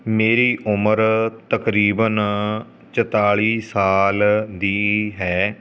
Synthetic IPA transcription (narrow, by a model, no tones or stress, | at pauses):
meːɾiːʔʊməɾt̪əkɾiːbən | t͡ʃət̪aːɭiːsaːld̪iːɦɛː